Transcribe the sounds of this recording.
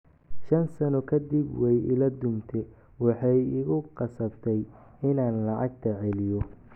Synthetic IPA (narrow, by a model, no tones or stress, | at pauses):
ʃɐnsɐnɔkʰɐd̪ɪbwɛjɪ̰lɐd̪ʊmt̪ʰɛ | wɑħɑjɪɣʊqɑsɐbt̪ʰɛjɪnaːnlɑʕɑɡ̚t̪ʰɐʕɛlɪjɔ